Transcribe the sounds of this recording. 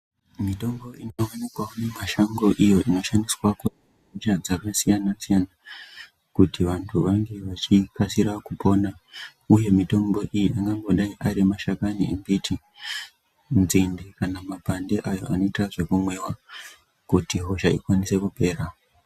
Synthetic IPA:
mito̞mbo̞inoonikwaone̞maʃaŋɡo̞ʔijo̞ʔino̞ʃandiswaku | ɦot͡ʃad͡zakasijanasijana | kutiʋantʰuʋaŋɡe̞ʋat͡ʃipasiɾakupo̞na | uje̞mito̞mbo̞ʔijiaŋɡaŋɡo̞ɗaiʔaɾimaʃakaniembitʰi | nzindikanamabʱandeʔajo̞̰ano̞itraʐe̞kumwe̞wa | kutiɦo̞ʃaikwanise̞kupe̞ːɾa

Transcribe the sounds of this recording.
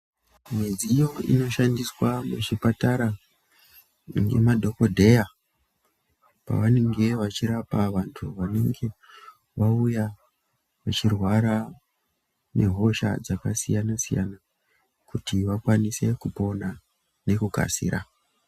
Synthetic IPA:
mwe̞d͡ziːjo̞ḭno̞ʃandiswamuʐipataɾa | ŋɡe̞̰madʱo̞ko̞dʱe̞ja | pa̰ʋane̞ŋɡe̞ʋat͡ʃiɾapaʋantʰuʋane̞ŋɡe̞ | ʋauja | ʋat͡ʃirwaɾa | ne̞̰ɦo̞ʃa̰d͡zaka̰sijanasija̰na | kutiʋakwanise̞kupo̞na | ne̞kuka̰sḭːɾa

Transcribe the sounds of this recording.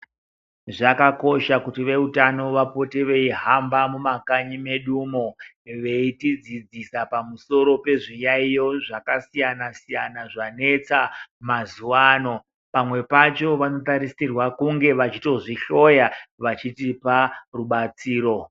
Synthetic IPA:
ʐakako̞ʃakutiʋe̞utano̞ʋapo̞teʋe̞iɦambamumakaɲime̞ɗumo̞ | ʋe̞itid͡zid͡zisapamuso̞ɾo̞pe̞ʐijaijo̞ʐakasijanasijanaʐane̞t͡samazuwaːno̞ | pamwe̞pat͡ʃo̞ʋano̞taɾisirwakuŋɡe̞ʋat͡ʃito̞ʐiɬo̞jaʋat͡ʃitiparuɓat͡siːɾo̞

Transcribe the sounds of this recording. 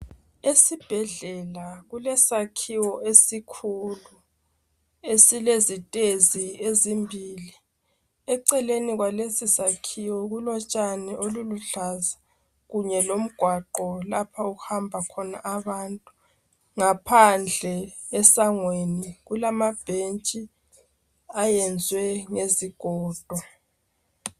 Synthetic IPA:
esib̥ʱɛɮɛlaɣulɛsakʰiwɔʔesikʰulu | esilezitʼeziezimbʱiːli | ɛǀɛleniɣwalesisakʰiwɔɣulɔt͡ʃʼanɛʔoluluɬaza | ɣuɲɛlom̩ɡ̥ʱwaǃɔlapʰauhambʱakʰɔnaʔaβantʼu̥ | ŋapʰand͡ɮʱɛː | saŋweniɣulamab̥ʱent͡ʃʼi | ajɛnd͡zʱwɛŋeziɡ̥ʱɔːd̥ʱɔ

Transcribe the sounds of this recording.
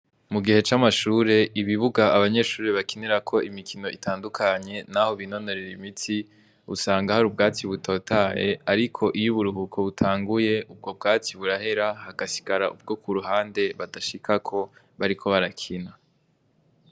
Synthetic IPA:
muɡihe̞t͡ʃamaʃuːɾe̞ʔiβiβuɡaaβaɲe̞ʃuːɾeβakeneɾakʰo̞ʔimikʰino̞ʔitʰaːndukʰaɲe̞naho̞βino̞no̞ɾeɾimitʰi | usaːŋɡahaɾubɡaːt͡siβutʰo̞ːtʰaje̞̰aɾikʰo̞ʔijuβuɾuhukʰo̞βutʰaːŋɡuje̞ʔub̚ɡo̞b̚ɡaːt͡siβuɾaɦe̞ɾahaɡ̥asi̥ɡaɾaʔṵb̚ɡo̞kuɾuɦaːnde̞βadaʃikʰakʰo̞ | βaɾikʰo̞βaɾakʰina

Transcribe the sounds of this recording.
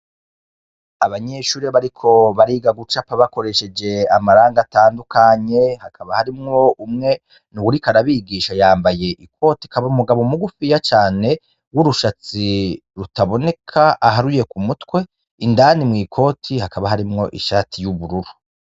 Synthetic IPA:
aβaɲe̞ʃuːɾeβaɾikʰo̞βaɾiːɡaɡut͡ʃapaβako̞ɾe̞ʃe̞d͡ʒe̞amaɾaːŋɡataːndukʰaɲe̞hakʰaβahaɾimŋo̞umŋe̞ | nuwuɾikaɾaβiːɡiʃajaːmbaje̞ʔikʰo̞ːtikaβaumuɡaβo̞muɡufijat͡ʃaːne̞ | wuɾuʃat͡si | ɾutaβo̞ne̞kʰaʔaɦaɾuje̞kumutwe̞ | indanimŋiːkʰo̞ːtʰihakaβaɦaɾimŋo̞ʔiʃaːtʰijuβuɾuɾu

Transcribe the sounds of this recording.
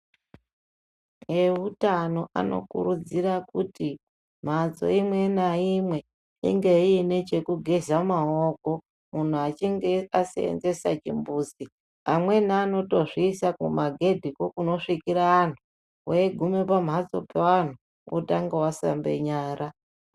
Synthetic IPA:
eutano̞ʔa̰no̞̰kṵɾud͡zirakuti | m̤at͡so̞̰imwe̞naimwe̞ | ḭŋɡe̞ine̞t͡ʃe̞kuɡʱezamaoko̞ | mun̤uat͡ʃiŋɡeasḛḛnze̞sa̰t͡ʃḭmbuːsi | amwe̞naːno̞to̞ʐiːsakumaɡʱe̞dʱiko̞kuno̞ʂikiɾaːn̤u | weeɡʱume̞pam̤at͡so̞̰pewan̤u | o̰taŋɡewasa̰mbe̞̰ɲaːɾa

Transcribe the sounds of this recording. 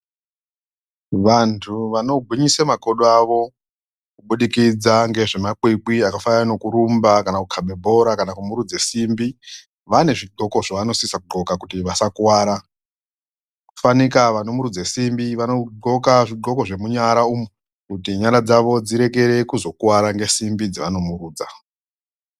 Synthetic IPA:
ʋantʰuʋano̞ɡʱwiɲisamaɡʱo̞ɗoaʋo̞ | kuɓuɗikid͡zaŋɡe̞ʐe̞mak͡pikiakafajanokuɾumbakanakukʰaɓebʱo̞ɾakanakumuɾud͡ze̞simbi | ʋane̞ʐiɡ͡ǃʱo̞ko̞ʐaʋano̞sisakuɡ͡ǃʱo̞kakutiʋasakuwaːɾa | ku̥fanikaʋano̞muɾud͡zesimbiʋano̞ɡ͡ǃʱo̞kaʐiɡ͡ǃo̞ko̞ʐe̞muɲaɾaumu | kutiɲaɾad͡zaʋo̞d͡ziɾe̞ke̞ɾe̞kuzo̞kuwaɾaŋɡe̞simbid͡ziʋano̞muɾuːd͡za

